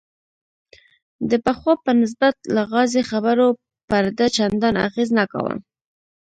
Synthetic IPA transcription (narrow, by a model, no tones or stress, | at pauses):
d̪əpəxwɑpənɪs̬bat̪laɣɑzexabəɾo | paɾd̪at͡ʃand̪ɑna̰ɣeznaka̰wə̰m